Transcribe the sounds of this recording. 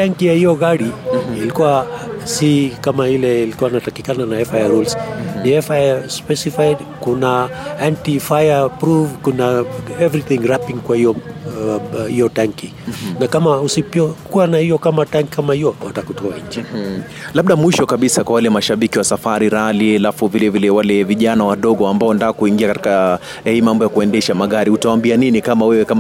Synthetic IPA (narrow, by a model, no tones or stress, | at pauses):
taŋkijahijɔɣaɾiːlikuwasikamailɛilikuwanatakikananaɛfajaɾulsnihɛfajspɛsifajdkunaantifajapɾuvkunaɛvɾiθĩŋɾapĩŋkwahijɔ | hijɔtaŋki | nakamausipɔkuwanahijɔkamataŋkikamahijɔwa̰takutɔa̰ɲ̩d͡ʒi | laɓ̚ɗamwiʃɔkaɓisakwawalɛmaʃaɓikiwasafaɾiɾalialafuvilɛvilɛwalɛviʄanawaɗɔɠɔambaɔndaːkuiŋɡiakati̥ka | aimambɔjakuɛndɛʃamaɠaɾiutawaːmbianinikamawɛwɛkama